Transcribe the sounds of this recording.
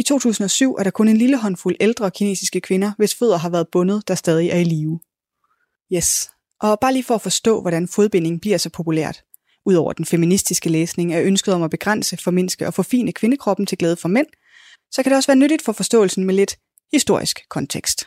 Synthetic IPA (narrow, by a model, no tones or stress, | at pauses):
it͡sʰo̝̰ːt͡sʰṵːsn̩ɒ̽syʊ̰ʔæɐɾɑ̈kʰɔ̽ne̝nliləɦɒ̽nfuleld̥ʁɐ̽kʰine̝̰ːsisɡ̥əkʰʋenɐʋe̝sføðˠɐɦɑ̈ʋæːɐðˠb̥ɔ̽nəð̞̩ˠd̥ɑ̈sd̥ɛːð̞ˠiʔæɐiliːʊ | jes | ʔɒ̽b̥ɑ̈ːliːfɒæfɒ̽sd̥ɔ̰̽ːʋɒɾænfoð̞ˠb̥e̝ne̝ŋ̩b̥liɐ̰sɒ̽pʰo̝pʰulæ̰ɐ̰d̥ | ʔuð̞̰ˠɒʊɐd̥enfeminisd̥isɡ̥əleːsne̝ŋæʔønsɡ̥əð̩ˠɒ̽mæb̥e̝ɡ̥ʁan̰səfɒ̽me̝n̰sɡ̥əʔɒ̽fɔ̽fḭːnʔəkʰʋe̝nəkʰʁɒ̽b̥n̩t͡sʰe̝ɡ̥lɛːð̞ˠəfɒ̽men̰ | sɒ̽kʰæɾ̥e̝ɒsʋæːɐnøɾid̥fɒ̽fɒ̽sd̥ɔ̰̽ːl̩sn̩mele̝d̥ | hisd̥o̝ɐisɡ̥kʰɒ̽nt͡sʰeɡ̥sd̥